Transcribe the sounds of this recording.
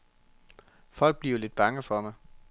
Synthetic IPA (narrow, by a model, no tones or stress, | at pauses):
fɒ̽l̰ɡ̥̚b̥liɐɐle̝d̥̚b̥ɑ̈ŋəfɒ̽mɑɪ